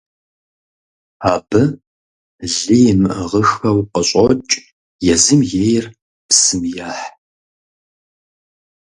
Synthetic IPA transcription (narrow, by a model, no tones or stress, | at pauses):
aːbɨ | ɮijmʁəxɐwqəɕʼɔt͡ʃʼ | jɛzɨmjejr | psɨmjaːħ